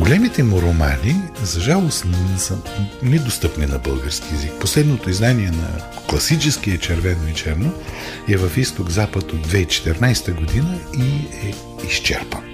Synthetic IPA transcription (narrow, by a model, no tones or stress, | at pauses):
ɡolʲɛmit̪ɛmʊɾoma̰nizɐʒalˠost̪nsənɛd̪ost̪ɤpninɐbɤlˠɡəɾskiɛzik̚poslɛd̪not̪oiznaniɛnɐ̰ | klˠɐsit͡ʃɛskiɛt͡ʃɛɾvɛnoit͡ʃɛɾnoɛvɐfist̪oɡzapət̪od̪̚ːvɛit͡ʃɛ̥t̪ɛɾnajst̪əɡod̪inəiɛ | ist͡ʃɛ̰ɾpən